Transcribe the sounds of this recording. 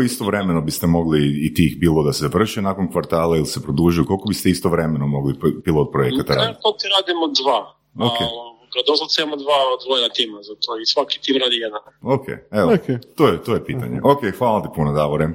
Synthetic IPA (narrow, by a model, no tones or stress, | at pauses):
ist̪oʋɾemenobist̪emo̞ɡliːt̪ixbiːlˠod̪asezaʋr̩ʃenakonkʋaɾt̪aːlˠailisepɾod̪uʒijukolˠkobist̪eist̪oʋɾe̞menomo̞ɡlipilˠot̪̚pɾojekkat̪ːaɾa̰ːditt̪ot̪iɾaːd̪imod̪ʋa | okekad̪oslˠat̪semod̪ʋaod̪vojd̪at̪imazat̪oisʋaki̥t̪imɾaːd̪ijed̪anokʰḛeʋoket̪ojet̪ojepiːt̪a̰ɲḛʔokexʋalˠat̪i̥punad̪aʋoɾe